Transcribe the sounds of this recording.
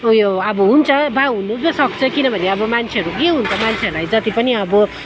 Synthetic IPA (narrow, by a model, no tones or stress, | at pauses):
joʌbʌɦunt͡sʰʌbaɦunubʌsʌk̚t͡sʰʌkinʌbʱʌneʌbʌmant͡sʰeɦʌɾukeɦunt͡sʰʌmant͡sʰeʌɾulajd͡zʌt̪ipʌniʌbʌ